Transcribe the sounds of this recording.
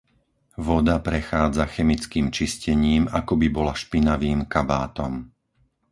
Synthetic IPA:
ʋɔd̪apɾɛxaːd͡zaxɛmit͡skiːmt͡ʃiscɛɲiːmakɔbibɔlaʃpinaʋiːmkabaːt̪ɔm

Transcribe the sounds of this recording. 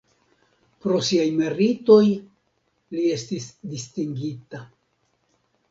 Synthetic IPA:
pɾo̞siajme̞ɾito̞j | lie̞stisdistiŋɡita

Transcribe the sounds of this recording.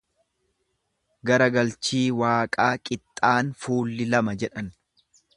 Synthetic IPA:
ɡɐɾɐɡɐlt͡ʃiːwaːkʼaːkʼɪt̪ʼːaːnfuːlːɪlɐmɐd͡ʒɛᶑɐn

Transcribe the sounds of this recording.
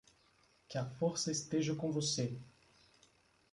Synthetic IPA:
kafɔɾsɐest̪eʒɐkõvose

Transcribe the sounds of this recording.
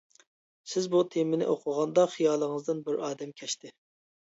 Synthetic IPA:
sɪzbut̪ʰemɪnɪ̰ʔoqʰʊʁɑnd̪ɑχijɑːlˠəŋɨzd̪ɨnbɪɾɑːd̪ɛmkʲʰɛʃt̪ɪ

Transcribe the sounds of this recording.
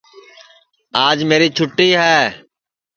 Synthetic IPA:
aːd͡ʒmeːɾiːt͡ʃʰʊʈːiːɦɛː

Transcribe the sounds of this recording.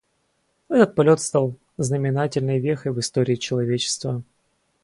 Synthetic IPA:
ɛt̪ət̪̚pɐlʲo̞t̪st̪ɑlˠ | znəmʲɪnatʲɪlʲnəjvʲexəjvɨst̪o̞ɾʲɪːt͡ɕɪlˠɐvʲet͡ɕɪ̥st̪və

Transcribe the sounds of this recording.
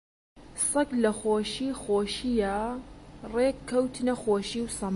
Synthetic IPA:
sɐklɐxoːʃiːxoːʃijɐ | reːkkʰːɐwt̪ʰnɐxoːʃiːwsɐm

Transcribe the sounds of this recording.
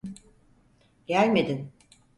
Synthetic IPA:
ɟælʲme̞d̪in

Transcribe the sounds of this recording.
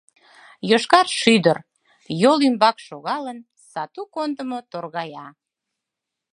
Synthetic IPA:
joʃkɑrʃyd̪ər | jolymbɑkʃoɣɑlən | sɑt̪ukond̪əmot̪orɣɑjɑ

